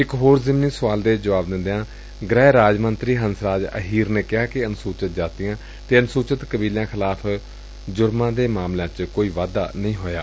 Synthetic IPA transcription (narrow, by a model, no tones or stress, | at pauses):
ɪkɦoːɾzɪmniːsʊʋaːld̪eːd͡ʒəʋaːbd̪ɪ̃nd̪eãː | ɡɾɛːɾaːd͡ʒmənt̪ɾiːɦənsɾaːd͡ʒə̰ɦiːɾneːkɪɦaːkɪənsuːt͡ʃət̪̚d͡ʒaːt̪ɪjãː | t̪eːənsuːt͡ʃət̪kəbiːljãːkʰɪlaːpʰ | d͡ʒʊɾmãːd̪eːmaːmlãːt͡ʃkoːiːʋaːd̪a̰ːnəĩːɦoːja̰ː